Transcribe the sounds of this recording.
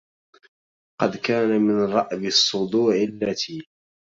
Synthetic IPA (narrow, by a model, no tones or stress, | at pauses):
qɑd̪kaːnamɪnɾˤɑʔbɪsˤːʊd̪ˤuːʕɪlːat̪ʰiː